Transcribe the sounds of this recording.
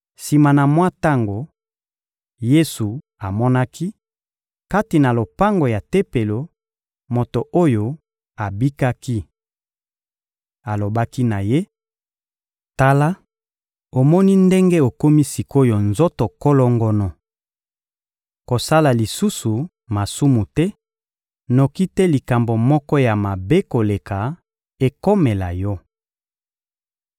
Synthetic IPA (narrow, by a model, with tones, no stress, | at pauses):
si˨ma˨na˨mwa˦ta˦ŋɡo˨ | je˦su˨ | a˨mɔ˦na˦ki˦ | ka˦ti˨na˨lo˨pa˦ŋɡo˨ja˨te˦pe˨lo˨ | mo˨to˨ʔo˦jo˨ | a˨bi˦ka˦ki˦ | a˨lo˨ba˦ki˦na˨je˦ | ta˦la˦ | o˨mɔ˦ni˦nde˦ŋɡe˦o˨ko˦mi˦si˨ko˦jo˨nzo˦to˨ko˦lɔ˦ŋɡɔ˦nɔ˨ | ko˨sa˦la˨li˨su˦su˨ | ma˨su˦mu˨tɛ˦ | no˨ki˦tɛ˦li˨ka˨mbo˨mɔ˦kɔ˦ja˨ma˨be˦ko˨le˨ka˨ | e˨ko˦me˨la̰˨jɔ˦